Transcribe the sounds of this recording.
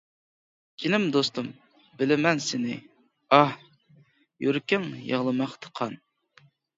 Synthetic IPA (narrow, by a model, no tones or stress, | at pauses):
kʲʰinɪmd̪ost̪um | bɪlɪmɛnsɪnɪ̰ | ɑh | jyɾkʲɪŋjə̰ʁlˠɨmɑχt̪ʰə̥qʰɑn